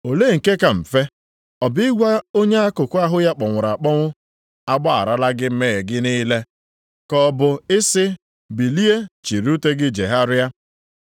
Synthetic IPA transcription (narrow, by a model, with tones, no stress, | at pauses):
o˨le˦˨ŋ̩˨ke˦ka˨m̩˨fe˦ | ɔ˨bɪ˦ɡʷa˦o˦ɲe˦a˦kʊ˨kʊ˦a˦ɦʊ˦ja˦k͡pɔ˨ŋʷʊ˨ɾa˨k͡pɔ˦ŋʷʊ˦ | a˦ɡ͡ba˦a̰˨ɾa˦la˦ɡɪ˦m̩˦me˦˨e˨ɡɪ˦niː˦le˦ | kɔ˦bʊ˨ɪ˦sɪ˦ | bi˨li˦e˦t͡ʃi˨ɾu˦te˦ɡɪ˦d͡ʒe˨ɦa˦ɾɪ˦a˦